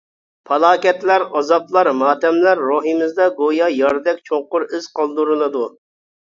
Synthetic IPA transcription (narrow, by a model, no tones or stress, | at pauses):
pʰɑlˠɑːkʲɛt̪læɾɑzɑplˠɑɾmɑːt̪ɛmlæɾːoɦɨmɪzd̪ɑɡojɑjɑɾd̪ɛkʲt͡ʃʰoŋqʊɾɪz̥qʰɑlˠd̪uɾɨlˠɨd̪u